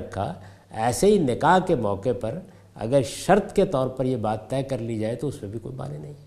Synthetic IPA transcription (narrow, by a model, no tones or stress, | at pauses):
kʰːa̰ | ɛːseɦinɪkaːɦkemɔːkepɐɾ | ɐ̰ɡəɾʃɐɾt̪ket̪ɔːɾpɐɾjebaːt̪ːɛːkɐɾlid͡ʒaːet̪oʊsmẽbʱiko̰ːima̰ːnenɐɦĩ